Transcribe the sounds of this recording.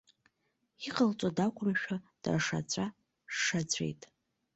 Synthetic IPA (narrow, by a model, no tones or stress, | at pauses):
iqʼəlt͡sʷʼodakʷʰʼʊmʃᶣad̥a̰rʂa̰t͡ɕʷʰʼa | ʂat͡ɕʷʰḛjtʼ